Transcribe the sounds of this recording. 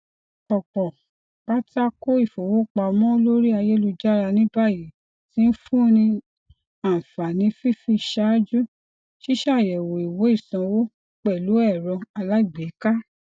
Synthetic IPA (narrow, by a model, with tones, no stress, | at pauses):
ɔ˨k͡pɔ˨ | k͡pa˦ta˦ko˦i˦˨fo˨wo˦k͡pa˧mɔ̃˦lo˦ɾi˦a˧je˦lu˧d͡ʒa˦ɾa˧nĩ˦ba˦˨ji˨ | tĩ˨˦n̩˦fũ˦nĩ˧ | a˨fa˨nĩ˨˧˦fi˦fi˧ʃa˦d͡ʒu˦ | ʃi˦ʃa˦˨jɛ˨wo˨i˨wo˨˦i˦˨sã˧wo˦ | k͡pɛ˦˨lu˨˦ɛ˦˨ɾɔ̃˧a˧la˦i˦˨ɡ͡be˨˦ka˦